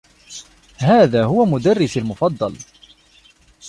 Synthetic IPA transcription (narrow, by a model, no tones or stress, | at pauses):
haːðaːɦʊwamʊd̪arːɪsalmʊfɑd̪ˤːɑl